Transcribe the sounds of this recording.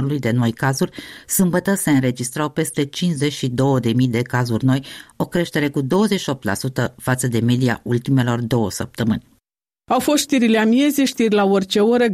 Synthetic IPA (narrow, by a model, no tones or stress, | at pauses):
ɾulujd̪e̞no̞jkazurʲsɨmbət̪əse̞ɨnɾe̞d͡ʒist̪ɾawpe̞st̪e̞t͡ʃinzet͡ʃʲʃid̪o̞wəd̪e̞mijd̪e̞kazurʲno̞jo̞kɾe̞ʃt̪e̞ɾe̞kud̪o̞wəzeʃio̞p̚t̪la̰sut̪əfat̪səd̪e̞me̞d̪ia̰ult̪ime̞lo̞rd̪o̞wəsəp̚t̪əmɨnʲ | awfo̞st̪ʃt̪iɾileamie̞zʲeʃt̪irʲlaorʲt͡ʃe̞oɾə